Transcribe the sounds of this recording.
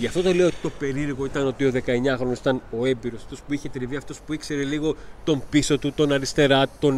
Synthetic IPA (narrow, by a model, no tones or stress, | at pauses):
ʝɐft̪o̞t̪ole̞ot̪it̪o̞pe̞ɾiɾɣo̞it̪ɐno̞t̪io̞ðe̞kɐe̞ɲɐxɾo̞nosi̥t̪ɐno̞e̞mbiɾosɐ̥ft̪o̞spuiçe̞t̪ɾiviɐft̪o̞spuikse̞ɾe̞liɣo̞t̪o̞mpiso̞t̪ut̪o̞nɐɾist̪e̞ɾɐt̪o̞n